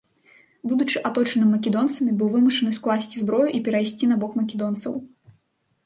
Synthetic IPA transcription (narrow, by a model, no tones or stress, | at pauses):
bud̪ut͡ʂɨʔat̪ɔt͡ʂɐnɨmːɐkʲɛd̪ɔnt̪sɐmʲibɨwvɨmuʂɐnɨsklˠasʲt͡sʲizbɾɔjuʔipʲɛɾajsʲt͡sʲinabɔkmɐkʲɛd̪ɔnt̪sɐ̰w